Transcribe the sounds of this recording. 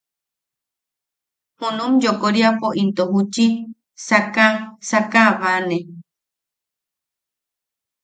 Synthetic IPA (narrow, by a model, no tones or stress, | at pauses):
hunũmd͡ʒokoɾiapoʔint̪ohut͡ʃi | sakasakaβanẽ